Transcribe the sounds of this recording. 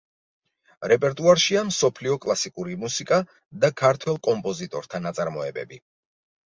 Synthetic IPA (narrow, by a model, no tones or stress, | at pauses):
ɾɛpʼɛɾt̪ʼuaɾʃiamsɔpʰliɔkʼlˠasikʼuɾimusikʼa | d̪akʰaɾt̪ʰwɛlˠkʼɔmpʼɔzit̪ʼɔɾt̪ʰanat̪sʼaɾmɔɛbɛ̰bi